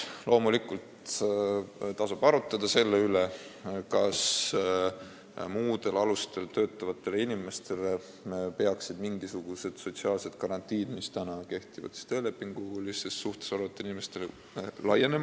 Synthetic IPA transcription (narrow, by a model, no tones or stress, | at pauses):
lo̞ːmulikult̪ | t̪ɑsub̥ɑɾut̪ːˑɑd̪̥ɑse̞lːeylekɑs | muːd̪e̞lɑlust̪e̞lt̪ø̞ːt̪ːˑɑvɑt̪ːˑe̞linime̞st̪e̞le | pe̞ɑksid̪miŋɡisuɡ̥use̞d̪̥so̞t̪siɑːlse̞d̪̥kɑɾɑnt̪ːˑiːd̪̥mist̪ænɑke̞ht̪ivɑ̰d̪̥si̥t̪øːle̞pːˑiŋɡ̥ulisesːuht̪e̥sɑɾɑt̪ˑːinimest̪ele | lɑjenem